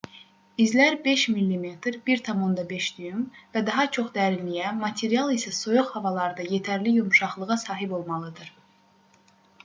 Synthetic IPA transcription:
izlæɾbe̞ʃmilːime̞t̪ʰɾbiɾt̪ʰɑmond̪ɑbe̞ʃd̪yjymvæd̪ɑɦɑt͡ʃʰo̞χd̪æɾinmijæmɑt̪ʰe̞ɾijɑlˠisæso̞joχhɑvɑlˠɑɾd̪ɑje̞t̪ʰæɾlijumʃɑχlˠɯʁɑsɑːɦibo̞lˠmɑlˠɯd̪ɯɾ̥

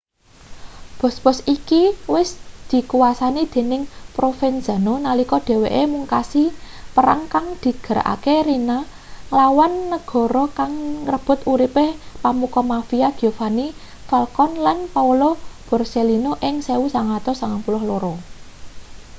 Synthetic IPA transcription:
b̥ɔ̤sb̥ɔsikiwɪsd̪̥i̤kuwasanid̪̥e̤nɪŋpɾofɛnd͡ʒ̥a̤nonalikɔɖ̪̥e̤weʔemuŋkasi | pəɾa̰ŋkaŋd̪̥i̤ɡ̥ə̤ɾa̰ʔa̰keɾina | lawanːəɡ̥ɔ̤ɾɔkaŋrəb̥ʊ̤t̪uɾipehpamukɔmafiaɡ̥iofani | fɛlkɔnlanpaulob̥ɔ̤rselinoʔɪŋseusaŋat̪ɔsaŋaŋpulɔhloɾɔ

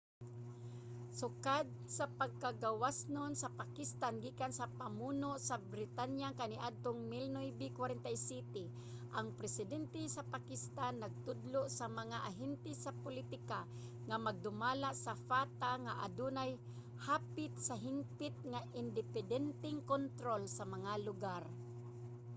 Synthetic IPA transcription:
sʊkad̪̚sapaɡ̚kaɡɡawasnonsɐpakɪst̪anɡiːkansapamuːnoʔsabɾɪt̪anjaŋkaniʔad̪̚t̪oŋmilnojbikwaɾɛnt̪ajsɛt̪ɛ | ʔaŋpɾɛsɪd̪ɛnt̪ɛsapakɪst̪anːɐɡ̚t̪ʊd̪loʔsamɐŋaʔaɦɛnt̪ɛsapʊlit̪ɪka | ŋamaɡ̚d̪ʊmaːlaʔsafaːt̪aŋaʔad̪unaj | haːpɪt̪̚sɐɦɪŋpɪt̪̚ŋaʔɪnd̪ɪpɛd̪ɛnt̪ɛŋkont̪ɾolsɐmɐŋalʊɡaɾ

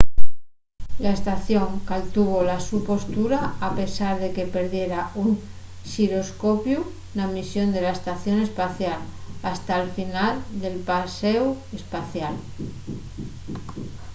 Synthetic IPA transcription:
laest̪aθjo̞ŋkalt̪uβolasupo̞st̪uɾaːpe̞saɾðe̞ke̞pe̞ɾðje̞ɾauŋ | ʃiɾo̞sko̞pju | namisjo̞nd̪e̞laest̪aθjo̞ne̞spaθjalast̪alfinald̪e̞lpasew | e̞spaθjal

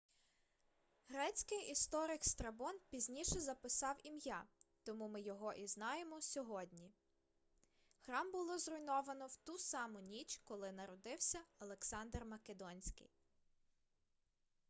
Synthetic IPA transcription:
ɦɾɛt͡sʲkɪjist̪ɔɾɪkst̪ɾɐbɔnpʲizʲnʲiʃɛzɐpɪsɑwimjɑt̪ɔmumɪjɔɦɔʔiznɑjemɔsʲɔɦɔd̪ʲnʲi | xɾɑmbʊlˠɔzrʊjnɔʋɐnɔwt̪usɑmʊnʲit͡ʃkɔlˠɪnɐɾɔd̪ɪwsʲɐɐlˠeksɑnd̪rmɐked̪ɔnʲsʲkɪ̰j

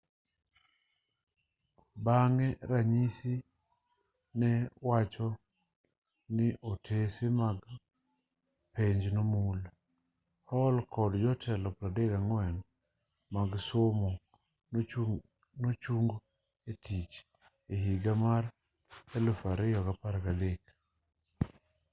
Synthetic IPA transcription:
baŋɛɾaɲisi | nɛwat͡ʃɔ | nɪʔotʰesemaɡ | peɲd͡ʒnomul | hɔlkʰɔdd͡ʒɔtʰɛlɔpɾadeɡaŋwɛn | maɡsomɔ | not͡ʃuŋɡ | etʰit͡ʃ | eɦiɡamaɾ | ɛlufaɾɛjɔɡapaɾaɡalek

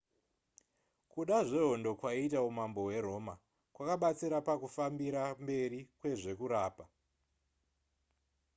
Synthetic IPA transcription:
kuɗaʐe̞ɦo̞ndo̞kwaitaumambo̞we̞ɾo̞ːma | kwakaɓat͡siɾapakufambiɾambe̞ɾikwe̞ʐe̞kuɾaːpa

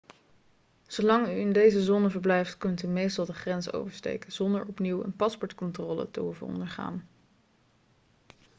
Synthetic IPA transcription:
z̥owlɑŋyɪndejzəzoːnəvəɹblɛjftkɵntymejstɑlˠdəχrɛnso̰wvəɹstḛjkəzɔndəɹɔpniwə̰npɑspɔɹtkɔntrɔːlə̰tə̰ɦuvə̰nɔ̰ndəɹχa̰ːn

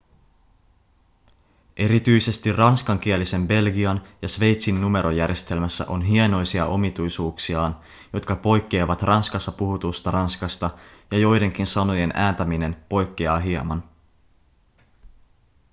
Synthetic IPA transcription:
ʔe̞ɾit̪yjse̞st̪irrɑnskɑŋk̟iælise̞mbe̞lɡiɑnjɑsʋe̞jt̪sinːume̞ɾʔo̞jærje̞st̪e̞lmæsːæ̰ʔo̞nɦie̞no̞jsiɑ̰ʔo̞mit̪ujsuːksiɑːn | jo̞t̪kɑpo̞jkːe̞ːʋɑt̪rʔɑnskɑsːɑpuɦut̪ust̪ɑrɑnskɑst̪ɑjɑjo̞jde̞ŋk̟insɑno̞je̞nʔæːnt̪æmine̞npo̞jkːeɑːɦiemɑn

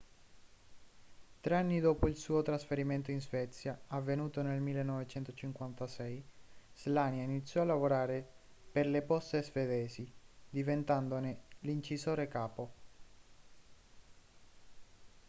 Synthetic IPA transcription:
t̪ɾeanːid̪oːpoilsuːot̪ɾasfeɾiment̪oinzvɛt̪sːjaavːenuːt̪onelmilːenːɔvet͡ʃɛnt̪ot͡ʃiŋkwant̪asɛjz̥laːnjainit̪sjɔalːavoɾaːɾe | perlepɔst̪ezved̪ɛːzid̪ivent̪and̪onelint͡ʃizoːɾekaːpo

